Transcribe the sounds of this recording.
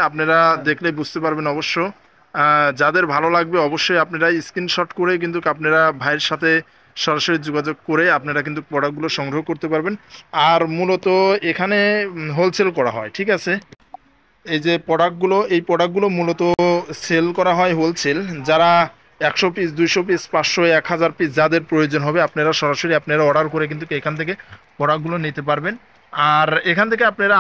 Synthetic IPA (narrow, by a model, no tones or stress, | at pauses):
apneɾad̪ekʰlebud͡ʑt̪epaɾbenɔboʃːo | d͡ʑad̪eɾbʱalolaɡ̚beɔboʃːojapneɾaiskinʃɔʈkoɾek̬int̪ukapneɾabʱajɾʃat̪ʰe | ʃɔɾaʃoɾid͡ʑoɡad͡ʑoɡ̚koɾeapneɾak̬int̪upɔɽak̚ɡuloʃɔŋɡɾoɦokoɾt̪epaɾbenaɾmulot̪oekʰaneɦolt͡ɕʰelkɔɾa̰ɦɔeʈʰikat͡ɕʰe | ejd͡ʑepɔɽakɡuloejpɔɽak̚ɡulomulot̪oselkɔɾaɦɔeɦolt͡ɕʰeld͡ʑaɾa | ɛkʃɔpisd̪ujʃopispaʃoɛkɦad͡ʑaɾpisʰd͡ʑad̪eɾpɾojod͡ʑonɦɔbeapneɾaʃɔɾaʃoɾiapneɾaɔɽaɾkoɾek̬int̪ukeekʰant̪ʰeke | pɔɽak̚ɡulonit̪ep̬aɾben | aɾekʰanet̪ʰekeapneɾa